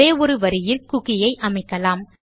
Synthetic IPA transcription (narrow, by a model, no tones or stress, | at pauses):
eːɔɾɯʋɐɾɪjɪlkʊɣɪjɐɪʔɐmɐɪkːɐlaːm